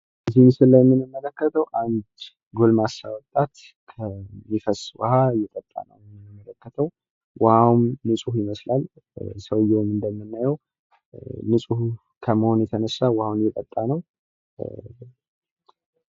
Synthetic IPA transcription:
ʔɨzihnsɨlːəjɛmːɨnɨmːələkːət̪ʰəwʔand̪ | ɡolmasawɔt̪ʼːat̪ | kʰəmifəswə̰hajɛt̪ʼət̪ʼːa̰nə̰wɛɨmːələkːət̪ʰəw | wʔɔawmːɨsʼuhjɪməslal | səwjɛwmɨnd̪əmːɨnːajɛw | nɨsʼuhu | kʰəməho̞njɛt̪ʰənəsːawahawunjɛt̪ʼət̪ʼːanəw

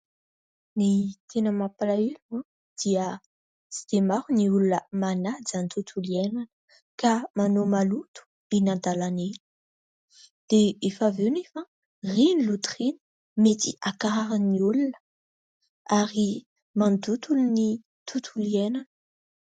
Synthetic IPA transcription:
nit̪ʰenəmapalaila | d̪̥iə | si̥d̪emaɾuniulunəmanad͡zanit̪ut̪ʰuliɛnanə̥ | kamanomalut̪u̥ | inand̪alaneli̥ | d̪̥eefavewnefa | rinilut̪ɾini̥ | met̪ḭʔakaaɾaniulunə̥ | aɾi | mand̪ut̪uluni | t̪ʰut̪ʰulienanə̥

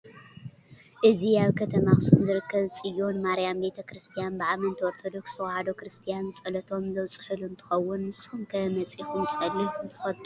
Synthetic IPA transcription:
ʔɨziaβkʰɐt̪ʰɐmaxɨ̥sumzɨɾɨkʰːɐβsʼɨjːonmaɾijambe̞t̪ʰɐkɾɨst̪ʰijanbɨʕamɐnt̪ʰioɾt̪ʰod̪o̞kst̪ʰɐwahad̪o̞kɾɨst̪ʰijanɨsʼɐlɐt̪ʰo̞mzɐwt͡sʼɨ̥ħɨlunt̪ʰɨ̥xɐwːʊnːɨshumkʰɐmɐt͡sʼixumsʼɐlːint̪ʰɨ̥xɐt̪ʼu

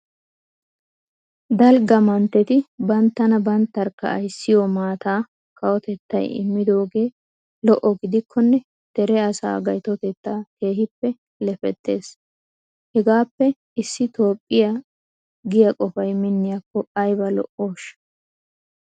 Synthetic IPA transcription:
d̪ɐlɡɐmɐnt̪ːɛt̪ɪbɐnt̪ːɐnɐbɐnt̪ːɐɾkːɐ̰ːjsːɪjɔmaːt̪aː | kɐwɔt̪ɛt̪ːɐ̰jɪ̰mːɪd̪o̞ːɡe̞ː | lɔʔɔɡɪd̪ɪkʰːɔnːɛ | d̪̥ɛɾɛɐsa̰ːɡɐjt̪ɔt̪ɛt̪ːaːke̞ːhɪpːɛ | lɛfɛt̪ːe̞ːs | hɛɡaːpːɛ | ɪsːɪt̪o̞ːpʼːɪja | ɡɪjɐkʼɔfɐjmɪnːɪjakːɔɐjbɐlɔ̰ʔo̞ːʃ

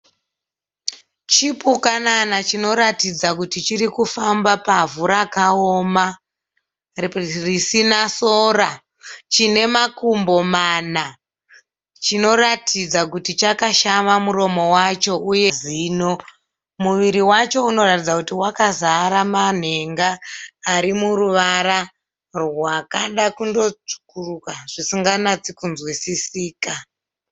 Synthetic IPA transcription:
t͡ʃipukananat͡ʃino̞ɾatid͡zakutit͡ʃiɾikufambapavuɾakaoːma | risinasoːra | t͡ʃine̞makumbo̞mana | t͡ʃino̞ratʰid͡zakutit͡ʃakaʃamamuɾo̞mo̞wat͡ʃo̞ʔujeziːno̞ | muʋiɾiwat͡ʃo̞uno̞ratid͡zakutiwakazaɾaman̤eŋɡaːɾimuɾuʋaɾa | rwakaɗakundo̞t͡ʂu̥kurukaʐ̥isiŋɡanat͡sikunzwisisiːka

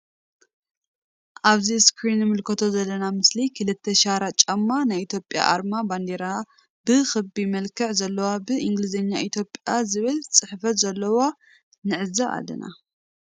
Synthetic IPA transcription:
ʔaβziskʰɾinɨmɨlkʰɐt̪ʰo̞zɐlːɐnamɨslikʰɨlɨt̪ʰːeʃaɾat͡ʃʼɐmːanajit̪ʰjo̞pʼja̰ʔaɾmaband̪eɾa | b̥ɨxɨbimɐlkʰɐʕzɐlːɐwabɨʔiŋɡlɨzɐɲːaʔit̪ʰjo̞pʼjazɨβɨlt͡sʼɨħfɐt̪zɐlːɐwa | nɨʕɨzaʔa̰lːɐ̰na̰

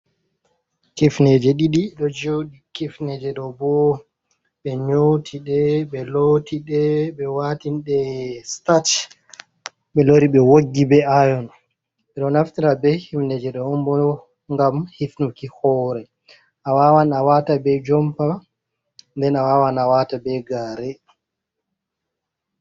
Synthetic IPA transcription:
kifnɛd͡ʒɛɗiɗiɗɔd͡ʒoɗikifnɛd͡ʒɛɗɔbɔ | ɓɛɲotʰiɗɛɓɛlotiɗɛɓɛwatinɗɛstat | ɓɛloɾiɓɛwoɡːibɛajɔn | ɛɗɔnaftiɾabɛhifnɛd͡ʒɛɗɔɔmbɔ | ŋɡamhifnukihɔːɾɛ | ʔawawanawatabɛd͡ʒɔmpa | ndɛnawawanawaːtabɛɡaːɾɛ

